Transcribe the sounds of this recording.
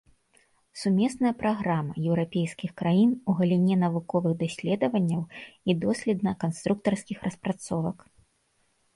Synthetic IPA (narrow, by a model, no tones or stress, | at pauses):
sumʲɛsnɐjɐpɾaɣɾamɐjɛwɾapʲejskʲixkɾajinuɣɐlʲinʲɛnɐvukɔvɨɣd̪asʲlʲɛd̪ɐvɐnʲːɐwid̪ɔsʲlʲɛd̪nɐkanst̪ɾuk̚t̪ɐrskʲixɾɐspɾat̪sɔvɐk